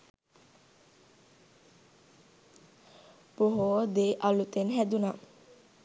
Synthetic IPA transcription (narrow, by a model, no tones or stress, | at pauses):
poɦod̪eʔalut̪enɦɛd̪una